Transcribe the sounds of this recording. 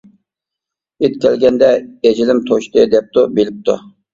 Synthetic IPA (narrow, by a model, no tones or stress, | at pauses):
et̪̚kʲʰɛlɡʲɛnd̪ɛed͡ʒilɪmt̪ʰoʃt̪ɨd̪ɛp̚t̪ubelɪp̚t̪ʰṵ